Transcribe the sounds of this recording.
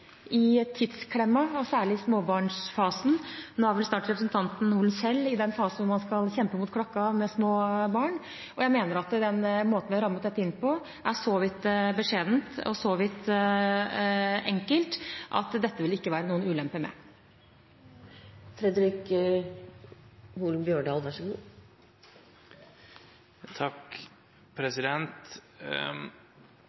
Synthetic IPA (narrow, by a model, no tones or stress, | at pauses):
ʔɪt̪ʰːɪd̪skʰlɛmːɑɔsæːɭɪɪsmoːbɑːɳʂfɑːsn̩noːhæɾʋɛlst̪ɑːʈɾɛpɾəsn̩t̪ʰɑnt̪n̩uːlnsɛlːɪd̪ɛnfɑːsn̩ʋʊɾmɑnskɑlçɛmpəmʊt̪̚kʰɽɔkːɑmɛsmoːbɑːɳ | ʔɔjæɪmeːnəɾɑt̪d̪ɛnmoːt̪n̩ʋɪɾɑmːət̪d̪ɛt̪ːəɪnːpʰɔ | ʔæʂɔʋɪt̪ːbəʂeːd̪nt̪ɔ̰sɔʋɪt̪ː | ɛŋkəlt̪ʔɑ̰t̪d̪ɛt̪ːəʋɪlɪkːəʋæːɾənuːənʉːlɛmpəmɛ̰ | fɾɛd̪ɾɪk | huːlmbjøːɖɑːlʋæʂɔɡuː | t̪ʰɑk | pʰɾɛsɪd̪ɛnt̪